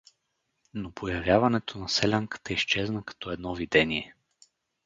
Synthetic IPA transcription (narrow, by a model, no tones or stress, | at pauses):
nopʰojɐvʲjavɐnɛt̪ʰonɐsɛlʲaŋkə̥t̪əist͡ʃɛznəkɐ̥t̪ɔɛd̪nɔvid̪ɛniɛ